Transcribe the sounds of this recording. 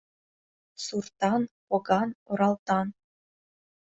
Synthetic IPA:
surt̪ɑnpŏɡɑnŏɾɑlˠt̪ɑn

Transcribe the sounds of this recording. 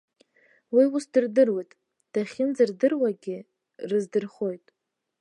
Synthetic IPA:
wiusdɨrdɨrwejtʼ | d̥aχʲɪnd͡zɨrdɨrwaɡʲɪ | rɨzdɨrχo̞jtʼ

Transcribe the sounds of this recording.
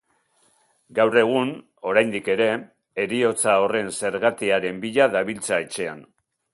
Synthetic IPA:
ɡawre̞ɣ̞un | o̞ɾajnd̪ike̞ɾe̞ː | ɾio̞t͡sao̞re̞nse̞ɾɣat̪eaɾe̞mbiʎaðaβilt͡sae̞t͡ʃe̞a̰n

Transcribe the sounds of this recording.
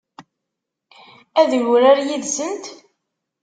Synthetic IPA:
æðʝɾaɾjiðsənt̪

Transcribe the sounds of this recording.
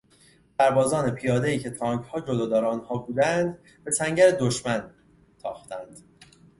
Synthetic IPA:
sæɾbɒːzɒːne̞pʰijɒːd̪e̞iːcʰe̞t̪ʰɒːŋɡhɒːd͡ʒod̪ɒːd̪ɒːɾeːnhɒːbuːd̪ænd̪ | be̞sʰæŋɟæɾed̪oʃmæn | t̪ʰɒːxt̪ʰænd̪̥

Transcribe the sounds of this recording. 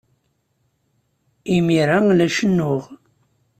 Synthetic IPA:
imiɾalæʃənːʊʁ

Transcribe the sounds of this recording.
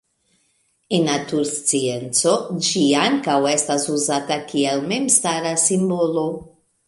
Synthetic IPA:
enːatuɾst͡sient͡sod͡ʒiaŋkawe̞stasuzatakʰielmemstaɾasimbolo̞

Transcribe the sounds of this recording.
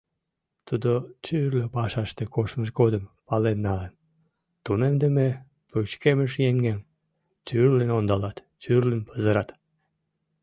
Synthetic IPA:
t̪ud̪ot̪yrløpɑʃɑʃt̪ekoʃməʃɡod̪əmpɑlenːɑən | t̪unemd̪əme | put͡ɕkeməʃjeŋɡem | t̪yrlenond̪ɑlɑt̪t͡ʃyrlənpəzəɾɑt̪

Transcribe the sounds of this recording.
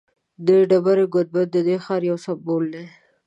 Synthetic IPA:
d̪əɖabaɾeɡʊd̪̚bat̪̚d̪əd̪exɑɾjawsabold̪e

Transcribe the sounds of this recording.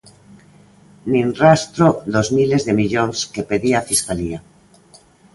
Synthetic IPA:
nĩnrast̪ɾoðozmilezðemiʎoŋskepeðiaːfiskalia

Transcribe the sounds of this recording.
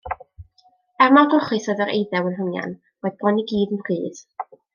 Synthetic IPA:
ɛrmaɡʊχɨθɔðəɾḛjðɛwənɦəŋja̰n | rɔðbɔniɡiːdənrɨːð

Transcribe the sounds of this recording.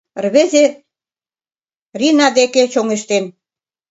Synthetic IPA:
rβeze | rinɑd̪eket͡ɕoŋeʃt̪en

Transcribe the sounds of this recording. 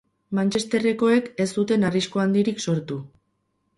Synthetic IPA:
mant͡ʃe̞st̪e̞re̞ko̞e̞ke̞st̪ut̪e̞narisko̞and̪iɾikso̞ɾt̪u

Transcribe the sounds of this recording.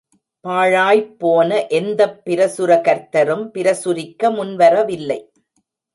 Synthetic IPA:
paːɻaːjpːoːnɐʔɛnd̪ɐpːɪɾɐsɯɾɐkɐɾt̪ɐɾɯmpɪɾɐsʊɾɪkːɐmʊnʋɐɾɐʋɪlːɐɪ

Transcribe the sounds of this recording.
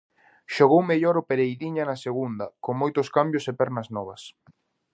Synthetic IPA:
ʃoɣowmeʎɔɾʊpeɾejðiɲɐnɐseɣund̪ɐkoŋmojt̪ʊskambjʊsepɛɾnɐznɔβ̞ɐs

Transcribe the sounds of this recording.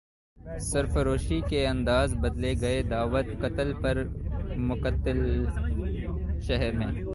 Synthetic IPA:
sɐɾfəɾoːʃikeɐ̃nd̪aːzbɐd̪leɡɐed̪aːʋət̪kɐt̪əlpɐɾmʊqət̪ːɪl | ʃɛɦɛɾmẽː

